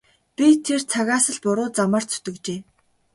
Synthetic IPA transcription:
pʲit̪ʰert͡sʰaɣaːsə̆ɮpʊɾʊːt͡samə̆r̥t͡sʰɵ̥t̪ɵ̆kt͡ɕeː

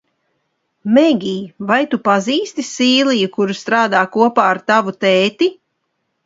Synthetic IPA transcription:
mɛɡʲiːvajt̪upaziːst̪isiːlˠijukuɾust̪ɾaːd̪aːkuɔpaːaɾt̪avut̪ɛːt̪i

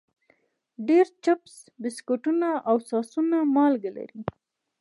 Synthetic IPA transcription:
ɖeɾt͡ʃaps | bɪskoʈunaʔawsɑsunamɑlɡala̰ɾi

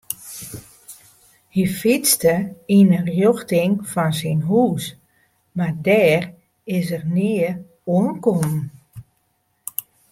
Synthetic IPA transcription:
hifit͡stəinərjoxtɪŋfɔnsinɦuːs | mardɛːr | ɪs̬ərnɪːə | uənkomn

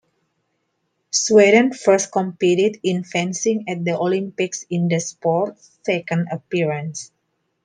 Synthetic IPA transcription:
sweɾə̃nfəɾs̚kɔ̃mpiɾidĩnfɛ̃nsĩŋɛt̚d̪əʔolĩmpiksĩnd̪əspɔtsːɛkə̃ndəpiɹə̃ns

